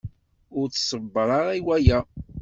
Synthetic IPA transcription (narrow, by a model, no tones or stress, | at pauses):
ʊɾt͡sːsəbːɾˤɑɾæwæjæ